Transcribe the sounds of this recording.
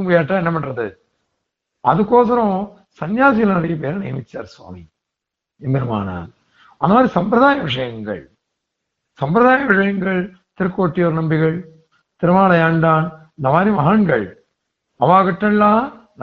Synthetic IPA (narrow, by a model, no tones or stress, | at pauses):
mɐjaːʈːaːɛnːɐpɐɳrɐðɯ | ɐ̰ðɯkːoːsɐɾõ | sɐnjaːsɪjɐlnɐɾɐjɐp̬eːɾɐnɐ̰ːɐmɪt͡ʃːa̰ːɾswa̰ːmḭ | ɛmbɛɾɯma̰ːna̰ː | ɐnd̪ɐmaːdɾisɐmpɾɐðaːjɐʋɪʂɐjɐŋɡɐ̰ɭ | sɐmpɾɐðaːjɐʋɪʂɐjɐŋɡɐɭ | t̪ɪɾkːoːʈːijoːɾnɐmbɪɣɐɭ | t̪ɪɾɯmaːlɐjaːɳɖaːn | nd̪ɐmaːɾiʋɐɦanɡɐɭ | ɐʋaːɣɐʈːɐlːaː | n